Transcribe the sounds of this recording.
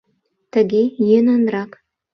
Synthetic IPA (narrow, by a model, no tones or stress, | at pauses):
t̪ə̆ɡʲejønɑnɾɑk